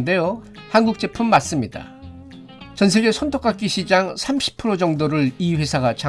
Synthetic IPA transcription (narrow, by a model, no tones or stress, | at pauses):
nde̞jo | hanɡuk̚t͡ɕ͈e̞pʰɯmːas͈ɯmɲida̰ | t͡ɕʌns̬ʰe̞ɡesʰontʰok͈ak͈iɕʰid͡ʑaŋsʰamɕʰi̥pʰɯɾod͡ʑʌŋdoɾɯɭiɸwe̞sʰaɡat͡ɕʰa